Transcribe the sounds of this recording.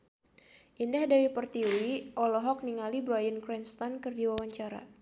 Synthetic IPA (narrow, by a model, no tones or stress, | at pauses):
ʔindahdawipərt̪iwiʔɔlɔɦɔk̚niŋalibɾajənkɾɛnst̪ɔnkɨrdiwawaɲt͡ʃaɾa̰